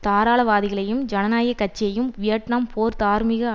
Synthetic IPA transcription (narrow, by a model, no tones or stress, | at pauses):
t̪aːɾaːɭɐʋaːðɪɣɐɭɐjɯmd͡ʒɐnɐnaːjɐkːɐt͡ʃːɪjɐjɯmʋɪjɐʈɳɐmpʰoːɾt̪aːɾmɪɣɐ